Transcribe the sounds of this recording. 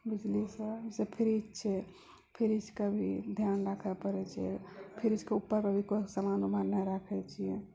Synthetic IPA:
bid͡ʒlisəsepʰiɾit͡ʃt͡ʃʰɛ | pʰiɾit͡ʃʰkabʱid̪ʱjanɾakʰəpəɾɛt͡ʃʰɛpʰiɾit͡ʃkeupːəɾpəbʱikosəmanumaɾnaɾəkʰɛt͡ʃʰiɛ̃

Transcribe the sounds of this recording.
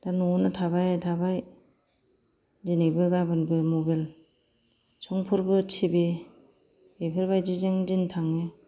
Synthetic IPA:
danuɔnɯtʰabajtʰabaj | dinebɯɡabɯnbɯmobel | sɔŋpʰuɾbɯt͡ʃʰibe | epʰeɾbajdizeŋdintʰaŋe

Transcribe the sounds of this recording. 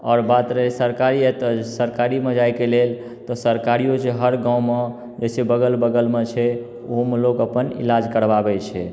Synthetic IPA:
ɔːɾbat̪ɾəsəɾkaɾiɛt̪ɔsəɾkaɾimed͡ʒajkelel | t̪ɔsəɾkaɾijod͡ʒeɦəɾɡãũme | d͡ʒesebəɡəlbəɡəlmet͡ʃʰɛ | oɦomelokəpənḭlad͡ʒkəɾbabɛt͡ʃʰɛ

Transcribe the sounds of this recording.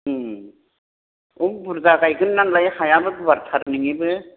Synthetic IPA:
ubuɾzaɡajɡɯnːaŋlajhajabɯkbaɾtʰaɾniŋibɯ

